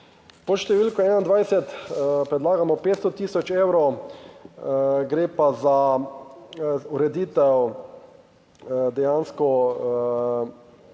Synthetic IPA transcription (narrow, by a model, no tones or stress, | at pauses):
pɔʃt̪ɛʋiːlkɔɛːnaind̪ʋajsɛt̪pɾɛd̪laːɡamɔpeːt̪st̪ɔt̪iːsɔt͡ʃeːwɾo | ɡɾeːpaza | uɾɛd̪iːt̪ɛw | d̪ɛjaːnskɔ